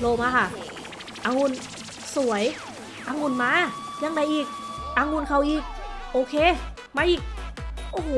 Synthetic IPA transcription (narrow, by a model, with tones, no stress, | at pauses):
loː˧maː˧kʰa˧˩ | ʔaː˧˩ŋu˧˥˨n | su˨˩˦əj | ʔaː˧˥ŋu˧˩˨nmaː˧˥˨ | ɲaː˧˥ŋda˧˩jʔiː˨˩k̚ʔaː˧ŋu˧˥˨nkʰa˧˩wʔiː˧˩k̚ʔoː˧˩kʰeː˧˥˨ | maː˧˥ʔiː˨˩k̚ʔoː˧ɦo˧˨